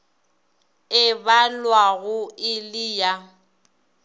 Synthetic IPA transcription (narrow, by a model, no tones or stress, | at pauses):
ɪbalwaɣʊɪlɪja